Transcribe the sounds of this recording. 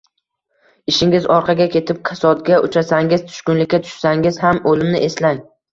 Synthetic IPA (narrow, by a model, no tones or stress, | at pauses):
ɪʃɪŋɪzɒɾqʰɑɡʲakʲʰe̞t̪ʰɪp̚kʲʰasɒd̪̚ɡʲaʊt͡ʃʰasaŋɪz̥t̪ʰʊ̥ʃkʊnlɪkʲːat̪ʰʊ̥ʃsaŋɪz̥hamolɪmnɪʔeslaŋ